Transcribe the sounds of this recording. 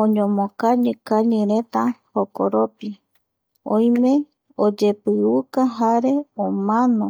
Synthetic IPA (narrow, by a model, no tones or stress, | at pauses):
õɲõmõkaɲɨ̃kaɲɨ̃ɾet̪ahokoɾopi | õj̃mẽ | od͡ʒe̞pɨukaɦaɾe̞omãnõ